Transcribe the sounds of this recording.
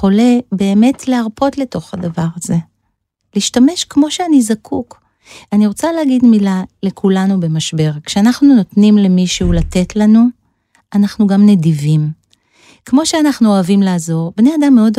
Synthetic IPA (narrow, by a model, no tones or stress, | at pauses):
o̞le̞be̞ːme̞tʰleaʁpo̞tle̞to̞χhadavaʁaze̞ | liːʃtame̞ʃkmo̞ʃeanizakʰuk | aniʁo̞t͡saleaɡidmilale̞kʰulanube̞maʃbe̞ʁkʃeanaχnuno̞tnimle̞miʃeulate̞tlanu | anaχnuɡamne̞divim | kmo̞ʃeanaχnuoavimlaːzo̞ʁbneadamːeo̞d